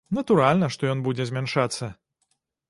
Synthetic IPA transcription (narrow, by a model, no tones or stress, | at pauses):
nɐt̪uɾalʲnɐʂt̪ɔjɔnbud͡zʲɛzʲmʲɛnʂat̪sːɐ